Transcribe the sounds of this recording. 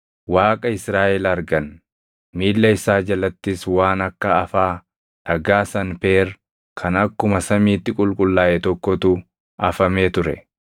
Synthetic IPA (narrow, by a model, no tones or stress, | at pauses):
waːkʼɐɪsɾaːʔɛlɐɾɡɐn | miːlːɐɪsaːd͡ʒɐlɐt̪ːɪswaːnɐkːɐɐfaː | ᶑɐɡaːsɐnpeːɾ | kʰɐnɐkːʊmɐsɐmiːt̪ːɪkʼʊlkʼʊlːaːʔɛt̪ɔkːɔt̪u | ʔɐfɐmeːt̪ʊɾɛ̰